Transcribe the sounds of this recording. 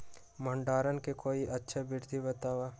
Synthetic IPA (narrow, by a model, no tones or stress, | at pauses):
mə̃ɳɖaːɾənkekoːiʔɐtːʃʰabɪɾd̪ʱibɐt̪aːwaː